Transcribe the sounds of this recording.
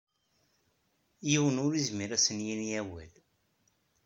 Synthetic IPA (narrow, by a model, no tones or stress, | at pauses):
jiwənʊɾizmiɾæsənjinjæwæ̰l